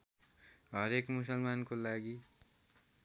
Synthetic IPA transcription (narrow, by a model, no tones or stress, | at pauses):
ɦʌɾekmus̬ʌlmankolaɡi